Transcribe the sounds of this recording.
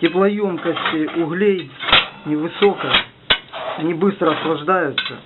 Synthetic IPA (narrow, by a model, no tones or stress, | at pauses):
tʲɪplˠɐjomkəsʲtʲʊɣlʲejnʲɪvɨsokə | ɐnʲibɨst̪ɾəɐslˠɐʐd̪ajʊt̪sːə̰